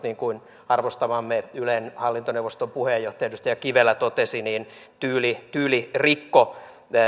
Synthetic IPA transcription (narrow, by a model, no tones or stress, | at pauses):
niːŋkuin | ɑrʋost̪ɑʋɑmːeylenhɑlːint̪oneʋost̪ompuhejːoht̪ɑjɑt̪yst̪ɑjɑkiʋelːæt̪ot̪esiniːn | t̪yːlit̪yːlirikːo